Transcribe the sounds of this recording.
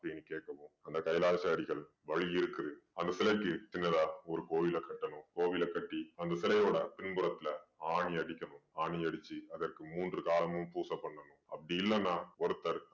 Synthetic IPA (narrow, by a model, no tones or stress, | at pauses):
ɐpːɐɽinːɯkeːkːɐʋɯ̃ːɐnd̪ɐkɐɪlaːsɐɐɽɪɣɐɭ | ʋɐɻɪjɪɾɯkːɯɐðɯɐnd̪ɐsɪlɐɪkːɯt͡ʃɪnːɐðaːɔɾɯkoːʋɪlɐkɐʈːɐɳʊ̃koːʋɪlɐkɐʈːiɐnd̪ɐsɪlɐjoːɽɐpɪnpɯɾɐt̪ːɪlɐaːɳiɐɽɪkʲːɐnʊ̃aːɳiɐɽɯt͡ʃːiɐðɐrkɯmuːndrɯkaːlɐmɯmpuːsɐpːɐɳːɐnʊ̃ɐpːɐɽɪjɪlːɐnːãːɔɾɯt̪ːɐɾ